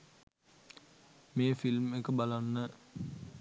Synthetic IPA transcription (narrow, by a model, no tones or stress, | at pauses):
meːfilmekəbalanːə